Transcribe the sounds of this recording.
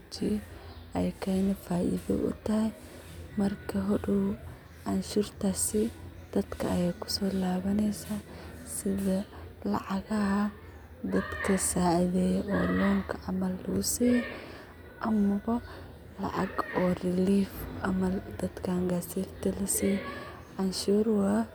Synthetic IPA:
t͡ʃɪjɛʔɛjkʰɛjnɪfaːʔḭðɐ̰ʔʊ̰t̪ɐɦɛj | mɐrkʰɐɦɔɖuw | ʔɐnʃʊrt̪ʰasɪd̪̥ɐd̪kʰɐːjɛjkʰʊ̥sɔːlaːβɐnɛjsaːsɪðɐlɑ̰ʕɑɣɐhɐ | d̪ɐd̪kʰɐsaːʕɪðɛːjʔɔːlɔːŋkʰɐʕɑmɐlːɣʊsiːj | ʔɐmɐβɐ | lɐ̰ʕɑ̰ɡɔːrɪliːfɐmɐld̪̥ɐd̪kʰaːŋɡasiːɾt̪ɐlɐsiː | ʔɐnʃuːɾwa

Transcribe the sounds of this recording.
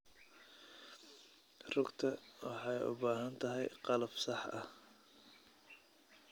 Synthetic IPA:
rʊɡt̪ʰɐwɑħɑjʊ̰baːɦɐnt̪ʰɐɦɛjqɑlɐb̥sɑħʔɐ̰h

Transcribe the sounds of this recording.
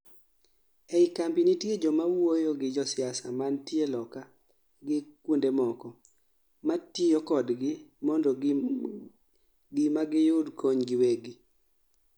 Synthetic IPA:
eikambinitjed͡ʒɔmawojoɡɪd͡ʒɔsɪasamantielɔka | ɡɪkwundemɔkɔ | matijokɔdɡɪmɔndɔ | ɡɪmaɡɪjʊdkʰoɲɡɪweɡɪ

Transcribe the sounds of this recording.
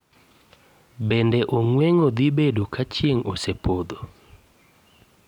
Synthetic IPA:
bendeʔoŋweŋod̪ibedukat͡ʃjeŋo̰sepʰod̪o

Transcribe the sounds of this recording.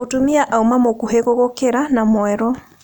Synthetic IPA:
otomiaʔaumamokuheɣoɣokeɾanamwɛɾɔ

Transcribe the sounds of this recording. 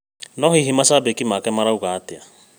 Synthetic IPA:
nɔɦiɦimasaːbekimakɛmaɾauɣaːtɪa

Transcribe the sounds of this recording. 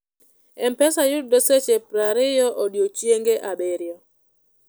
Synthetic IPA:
ɛmpɛsajʊdoset͡ʃepɾaɾɪjɔʔodjot͡ʃjeŋɡeʔabeɾjɔ

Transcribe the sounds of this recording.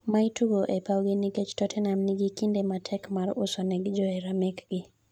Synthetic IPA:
maituɡoʔɛpawɡinikɛt͡ʃtɔtʰɛnamniɡikindematʰɛkmaɾʊsɔnɛɡd͡ʒɔɛɾamɛkɡɪ

